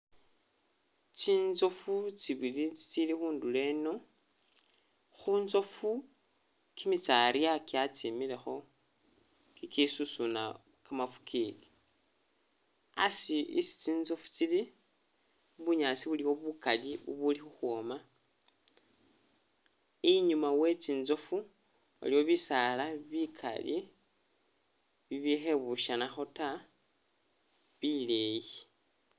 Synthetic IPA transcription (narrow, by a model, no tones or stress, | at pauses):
t͡ʃiːnzo̞fut͡ʃiβilit͡si̥t͡silixuːndule̞no̞ | xuːnzo̞fu | kimit͡saɾiakiat͡simile̞xo̞ | kikisusuna | kamafu̥kiːli | a̰siʔḭsi̥t͡siːnzo̞fu̥t͡sili | βuɲaːt͡siβuliwoβukaliβṵβulixuxwoma | iɲumawet͡siːnzo̞fu | a̰liwoβisalaβikʰa̰lḭ | βiβixe̞βuʃanaxo̞ta | βileji